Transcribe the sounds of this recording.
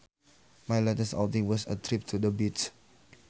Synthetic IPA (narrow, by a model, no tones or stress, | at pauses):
majlɛtəsa̰ʊtĩŋwɔsə̰tʰɹip̚tʰudəbits